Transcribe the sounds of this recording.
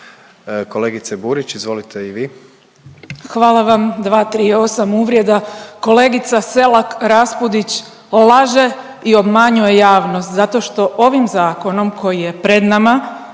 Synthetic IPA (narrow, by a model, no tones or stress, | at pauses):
ko̞leɡit̪sebuɾit͡ɕizʋo̞lit̪ʰeiʋiː | xʋaːlˠaʋamd̪ʋaːt̪ɾio̞samuʋɾʲje̞d̪ako̞le̞ːɡit̪sase̞lakɾaspud̪it͡ɕ | laʒe̞ | io̞bmaɲuje̞jaːʋnost̪zat̪o̞ʃt̪o̞ʔo̞ʋimzaːko̞no̞mkʰo̞jije̞pɾe̞d̪nama